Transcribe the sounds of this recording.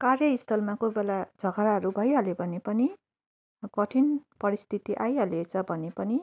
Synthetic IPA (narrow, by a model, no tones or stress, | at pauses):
karjʌist̪ʰʌlmakobelad͡zʱʌɡaɾaɦʌɾubʱʌjɦʌlebʱʌnepʌni | ɡʌʈʰinpʌɾist̪ʰit̪iʔajɦʌlet͡sʰʌbʱʌnepʌni